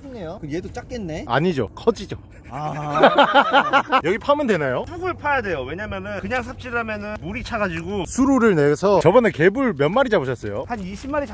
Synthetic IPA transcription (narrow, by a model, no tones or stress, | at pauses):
ejokɯjedot͡ɕ͈ak͈enːe̞a̰ɲid͡ʑo̰kʰʌd͡ʑid͡ʑo | a | jʌɡipʰamɯnde̞najosʰuɡuɾɯpʰajadwe̞jowe̞ɲamjʌnɯnkɯɲaŋs̬ʰap̚t͡ɕ͈ʰiɾɯɦamjʌnɯnmuɾit͡ɕʰaɡad͡ʑiɡosʰuɾoɾɯɭne̞sʰʌt͡ɕʌbʌneke̞buɭmjʌnmaɾid͡ʑabɯɕʰʌs͈ʌjoaniɕʰimːaɾit͡ɕ